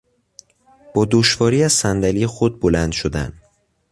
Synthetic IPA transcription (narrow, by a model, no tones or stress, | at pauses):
b̥ɒːd̪oʃvɒːɾiːæzsænd̪æliːexod̪̚bolænd̪̥ʃod̪æ̰n